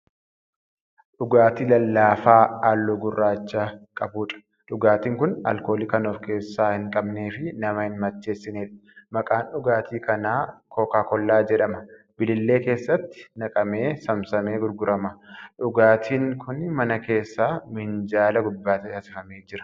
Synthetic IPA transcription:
ᶑʊɡaːt̪ilɐlːaːfaːlːoɡʊrːaːt͡ʃːɐkʼɐbuːᶑɐ̥ | ᶑʊɡaːt̪iːŋkʊnɐ̰lko̞ːliːkɐnoːfke̞ːsːaːhɪŋkʼɐbne̞ːfɪnɐmɐhɪnmɐt͡ʃːe̞ːsːɪneːᶑmɐkʼaːnɗʊɡaːt̪iːkɐnaːkʰokaːkɔlːaːd͡ʒɛᶑɐmɐ | b̥ɪlɪlːe̞ːke̞ːsːɐt̪ːɪ̥nɐkʼɐme̞ːsɐmsɐme̞ːɡʊɾɡʊɾɐmɐᶑʊɡaːt̪ʰiːŋkʰʊnmɐnɐke̞ːsːaːmɪnd͡ʒaːlɐɡʊb̪ːaːt̪ɐɐsɪfɐmeːd͡ʒɪɾɐ̥

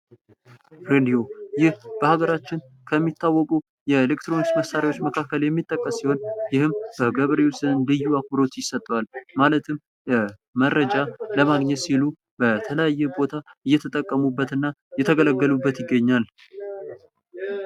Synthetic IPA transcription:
ɾed̪io̞jɪhb̥əhaɡəɾat͡ʃːɪn | kʰəmːit̪ːawːɔkʼu | jɛelekt̪ɾo̞nist̪məsaɾiwo̞t͡ʃːməkʰakːəljɛmːit̪ʼːəkʼːəsːiho̞njɪhɨmb̥əɡəβɾeusɨnlɨjːuakɨɾo̞t̪jɪsət̪ʼːwalmalət̪ʰɨm | məɾəd͡ʒaləmaɡɲɛt̪silu | b̥ət̪ʰələjajːɛbo̞t̪ʰaɨjːɛt̪ʰət̪ʼəkʼːəmubːət̪ɨnːajɛt̪ʰəɡələɡːəlubːət̪jɪɡːəɲːal

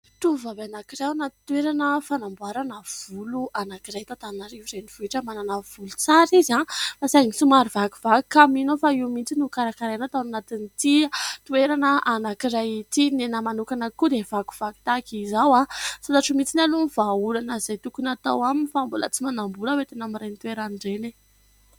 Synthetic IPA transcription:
t̪uvabanakiɾawanat̪it̪ueɾanəfanambuaɾanəv̥uluʔanakiɾajt̪at̪anaɾivirejniv̥uiʈ͡ʂəmananəv̥ulu̥t͡saɾizafasaŋisumaɾivaku̥vaku̥kaminofaiwmint͡sinukaɾakaɾajanat̪awnanat̪init̪it̪ueɾanəʔanakiɾajit̪inenəmanukanəkud̪ev̥aku̥v̥aki̥t̪akizawasat̪aʈ͡ʂumit͡sinaluniv̥aulanəzajt̪ukunat̪a̰waminifambulə̰t͡simanambuləwet̪enamiɾajnt̪ueɾanɳɖ͡ʐele

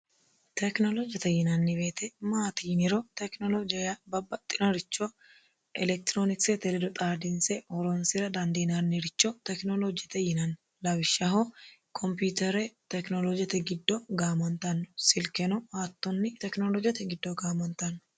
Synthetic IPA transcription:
t̪ɛknolɔd͡ʒɐt̪ɛjɪnɐnːɪβeːt̪ɛmaːt̪iːnɪɾot̪ɛknɔlɔd͡ʒɪjɐbɐbːɐt̪ʼːɪnɔɾɪt͡ʃːo | ʔɛlɛk̚t̪ɾoːnɪkset̪ɛlɛd̪ɔt̪ʼaːd̪ɪnsɛhɔɾonsɪɾɐd̪ɐnd̪iːnanːɪɾɪt͡ʃːot̪ɛknolod͡ʒt̪ɛjɪnɐnː | lɐwɪʃːɐɦokʰɔmput̪ɛɾɛt̪ɛknolod͡ʒɐt̪ɛɡɪd̪ːoɡaːmɔnt̪ɐnːʊ̥sɪlkɛnɔhaːt̪ːɔnːɪt̪ɛknolɔd͡ʒɐt̪ɛɡɪd̪ːoɡaːmɔnt̪ɐnːʊ̥

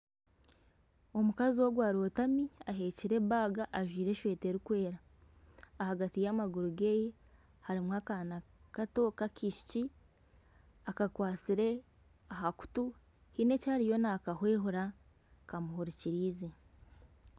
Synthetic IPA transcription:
o̞mukaziwo̞ɡwaːɾo̞ːtamiaɦe̞ːciɾe̞baːɡaʔːʒwiːɾe̞ʃweːte̞ɾikwe̞ːɾaː | haɡatijamaɡuɾuɡe̞je | haɾimwakanakato̞kakiʃi̥ci | akakwaːt͡siɾe̞ | aɦaku̥tu | hine̞caːɾijo̞nakahwe̞ːɦuɾa | kamuɦuɾiciɾiːze

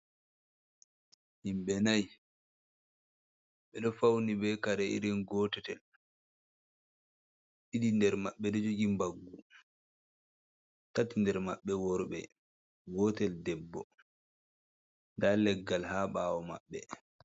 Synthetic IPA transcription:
himɓɛnaj | ɓɛɗɔfawnibɛkaɾɛiɾinɡɔːtɛtɛl | ʔidindɛɾmaɓːɛdɔd͡ʒoɡimbaɡːu | tatːindɛɾmaɓːɛwɔɾɓɛ̰ | ɡɔːtɛldɛbːɔ̰ | ndalɛɡːalhaːɓaːwɔmaɓːɛ̰

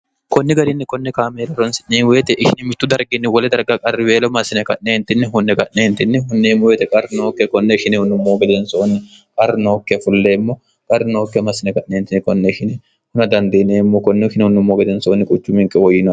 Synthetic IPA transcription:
kɔnːɛɡɐɾɪnːɪkɔnːɛkaːmeːlɔɾɐnsɪnneːnweːt̪ɛʔɪʃɪnɪmɪt̪ːʊd̪ɐɾɡɪnːɪwɔlɛd̪ɐɾɡɐkʼɐrːɪbeːlɔmɐsːɪnɛkɐʔneːnt̪ɪnːɪɦʊnːɛkɐʔneːnt̪ɪnːɪɦʊnːɛmːoweːt̪ɛkʼɐrːɪnoːkːɛkɔnːɛɪʃɪnɛhʊnːʊmːoːɡɛd̪ɛnsoːnːɪ | kʼɐrːɪnoːkːɛfʊlːeːmːoː | kʼɐrːɪnoːkːɛmɐsːɪnɛkɐʔneːnt̪ɪnːɛkɔnːɛɪʃɪnɛ | hʊnɐd̪ɐnd̪eːneːmːoːkɔnːɛʃɪnhʊnːʊmːoːɡɛd̪ɛnsoːnːɪkʼʊt͡ʃːʊmɪŋkʼɛwɔjːɪn

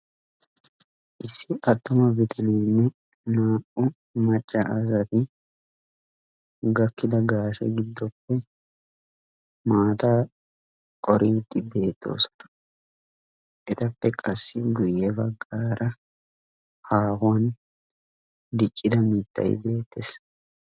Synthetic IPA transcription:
ʔɪsːɪʔɐt̪ːʊmɐbɪt̪ʰɐniːnːɛ | naːʔʊ | mɐt͡ʃʼːɐʔɐzɐt̪ɪ | ɡɐkːɪd̪ɐɡaːʃɛ̰ɡɪd̪ːɔpːɛ | maːt̪aː | kʼɔɾiːt̪ːɪbe̞ːt̪ʰːo̞̰ːsɔ̥nɐ | ʔɛt̪ɐpːɛkʼɐsːɪɡʊjːɛbɐɡːaːɾʔɐ | haːhʊwɐn | d̪ɪt͡ʃʼːɪd̪ɐmɪt̪ːɐ̰jbe̞ːt̪ːeːs

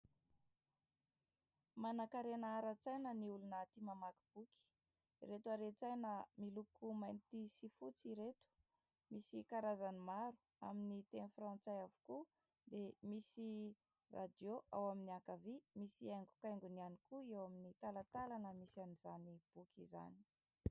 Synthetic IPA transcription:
manakaɾenaaɾat͡sajnəniulunat̪imamaki̥b̥uki̥ | ret̪uaɾet͡sajnəmilukumajnt̪isifut͡siɾet̪u̥ | misikaɾazanimaɾu̥ | a̰minit̪enfrãnt͡sajavu̥ku | d̪emisi | ra̰d̪joʔa̰waminiakavimisiajŋɡu̥kajŋɡunianikuewaminit̪alat̪alanəmisanizanib̥ukʰʲiza̰ni̥

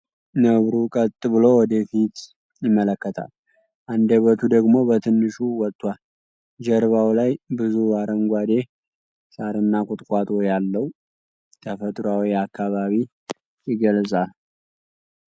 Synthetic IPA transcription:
nəβɾukʼət̪ʼːɨβɨlo̞wɔd̪əfit̪ | jɪmːələkːət̪ʰa̰l | ʔand̪əβət̪ʰud̪əɡmo̞bət̪ʰɨnːɨʃuwɔt̪ʼːwal | d͡ʒəɾβawlajbɨzuaɾəŋɡʷad̪e̞ | saɾɨnːakʼut̪ʼkʷʼat̪ʼojalːəhu | t̪ʰəfət̪ʼɾwawiakʰːaβaβi | jɪɡəlsʼal

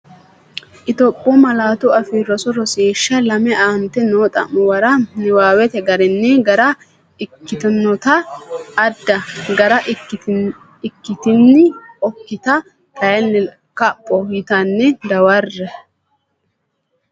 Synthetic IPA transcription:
ʔɪt̪ɔpʼːɔmɐlaːt̪ʊɐfiɾɔsɔɾɔseːʃːɐlɐmɛʔaːmt̪ɛnoːt̪ʼɐ̰mːʊwɐɾɐnɪwaːwɛt̪ɛɡɐɾɪnːɛɡɐɾɐ | ɪkːɪt̪ɔnːɔt̪ɐː | d̪ːɐɡɐɾɐʔ | ɪkːɪt̪ɪnːɪɔkːɪt̪ɐ | t̪ʰɐjɐnːɛ | kɐpʼːɔɪt̪ɐnːɛd̪ɐwɐrːɛ

